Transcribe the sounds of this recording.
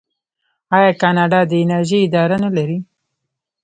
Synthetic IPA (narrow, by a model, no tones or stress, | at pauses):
ɑjɑkɑnɑɖɑd̪əɪnaɾʒiɪd̪ɑɾanalaɾi